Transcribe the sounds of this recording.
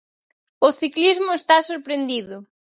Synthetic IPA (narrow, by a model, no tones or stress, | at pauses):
ʊθiklizmʊest̪asoɾpɾend̪iðʊ